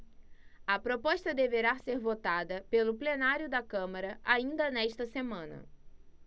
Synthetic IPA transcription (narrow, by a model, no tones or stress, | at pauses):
ɐpɾopɔʃt̪ɐd̪eveɾaseɾvot̪ad̪ɐpelʊplenaɾjʊd̪ɐkɐ̃mɐɾɐʔaĩnd̪ɐnɛʃt̪ɐsemɐ̃nɐ̰